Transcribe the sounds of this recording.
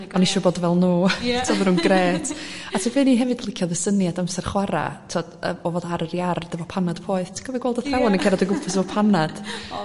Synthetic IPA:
ɔniʃuɔboːdvɛlˠnuːtʰiɔvənuːnɡreːtʰatʰəvɨːniɦɛvɨdlˠɪkʰjɔðəsənjadamsɛrχwaɾa̰tʰiɔd̥ə̰ɔvɔːdaɾəɾjard̥əvɔpʰanad̥pʰoːɨθtʰi̥ɡɔvɛɡwɛlˠdəθɛwanəkʰɛɾɔdəɡʊpʰəsəvɔpʰanad̥

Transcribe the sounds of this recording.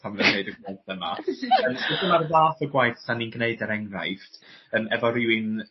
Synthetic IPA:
tʰamnəneɨdəɡalˠθəma̰əmsɪθəmarðaːθəɡwajθsaninɡneɨdəɾɛŋra̰jftəmɛvɔɾɪwɪn

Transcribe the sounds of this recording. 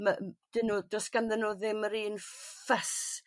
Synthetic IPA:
mad̥ɪnudɔsɡ̥anðɛnuðɪmːəɾiːnfɛs

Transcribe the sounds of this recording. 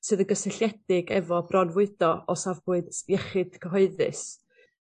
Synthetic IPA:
sɨːðənɡəsɪɬjɛd̥ɪɡɛvɔbrɔnvʊɨd̥ɔɔsavbʊɨðjɛχɨd̥kʰəɦɔɨðɨ̰s

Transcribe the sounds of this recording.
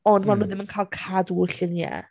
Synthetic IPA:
ɔndmanʊðɪmənkʰaːlˠkʰadwʊɬɪnjɛ̰

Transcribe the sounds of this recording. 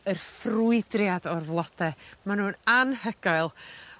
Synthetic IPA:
ərfruɨdrjadɔrvlˠɔd̥ɛmanhuːnanhəɡaɨlˠ

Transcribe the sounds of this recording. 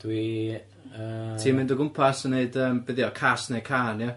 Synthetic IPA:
d̥wi | əːtʰiːmɪndəɡʊmpʰasəneɨdəːmbɪðjɔkʰasnekʰaːnjɛ

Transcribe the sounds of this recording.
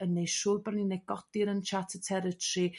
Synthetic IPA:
ənːejʃuːrbarninɛjɡ̥ɔdɪɾənt͡ʃʰatʰətʰɛɾətʰri

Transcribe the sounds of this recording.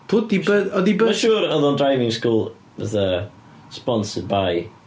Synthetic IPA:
b̥ʊdi̥əɔðibəʃuːɾəðɔndrajvɪ̃ŋskuːlˠ | vəθə | spɔnsɪdbaj

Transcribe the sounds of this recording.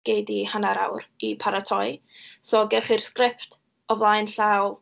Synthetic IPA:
ɡ̥ejdihanaɾa̰wɾipʰaɾatʰɔj | sɔɡɛχirskrɪpt | ɔvlˠajnɬawlˠ

